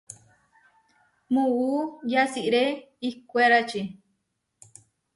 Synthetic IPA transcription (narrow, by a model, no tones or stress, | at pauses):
mũujasiʔɾe | ikʷeɾat͡ʃi